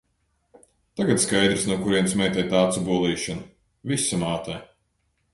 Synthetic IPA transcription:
t̪aɡat̪skajd̪ɾisnuɔkuɾiɛnsmʲɛjt̪ʲɛjt̪aːt̪subuɔlˠiːʃɔnu | visamaːt̪aj

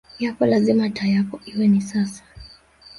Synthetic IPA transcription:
jakɔlazimatajakɔiwɛnisasḁ

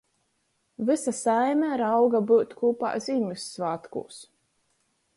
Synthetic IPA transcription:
vɨsasajmʲæɾawɡabuːt̪kuːpa̰ːzʲimʲusːvaːt̪kṵːs

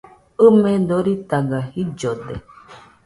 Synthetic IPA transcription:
ɯmẽd̪oɾit̪aɡahid͡ʒod̪ḛ

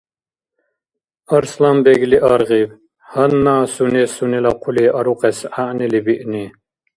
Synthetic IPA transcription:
ɐɾslambɛɡliʔaɾʁib | hɐnːaːsunisunilɐqʰuliʔɐɾuqɛsaʔnilibiʔni

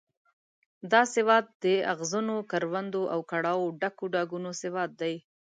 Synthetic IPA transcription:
d̪ɑsɪwɑt̪̚d̪əaɣzunokaɾwand̪oʔawkaɽɑwoɖakoɖɑɡunosɪwɑt̪̚d̪aj

